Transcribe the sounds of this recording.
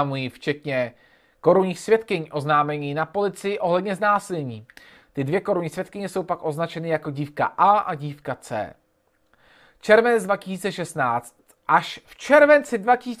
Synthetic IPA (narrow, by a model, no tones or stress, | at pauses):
mujift͡ʃɛt̪ɲɛ | ko̞ɾuɲiːxsvjɛt̪kɪɲʔo̞znaːmɛɲiːnapo̞lɪt͡sɪjɪʔo̞ɦlɛdɲɛznaːsɪlɲiː | t̪ɪdvjɛko̞ɾuɲiːsvʲjɛt̪kɪɲɛso̞wpakʔo̞znat͡ʃɛnɪjako̞ɟiːfka̰ʔaːʔaɟiːfkat͡sɛ̰ː | t͡ʃɛɾvɛnɛd͡zdvacɪsiːt͡sɛʃɛst̪naːt͡st̪ʔaʃft͡ʃɛɾvɛnt͡sɪdvacɪsiː